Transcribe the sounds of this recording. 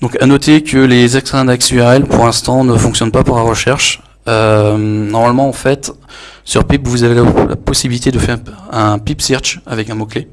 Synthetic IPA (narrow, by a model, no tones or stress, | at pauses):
d̪ɔ̃kanɔt̪ekʲʰəlezɛkst̪ɛ̃d̪aksyɛʁɛlpʰuʁlɛ̃st̪ɑ̃nəfɔ̃ksjɔnpapuʁlaʁəʃɛʁʃ | ømnɔʁmalmɑ̃ːfɛt̪ | syʁpipvuzavelala̰pɔsibilit̪ed̪əfɛʁɛ̃ɛ̃pipsiʁt͡ʃavɛkɛ̃mokle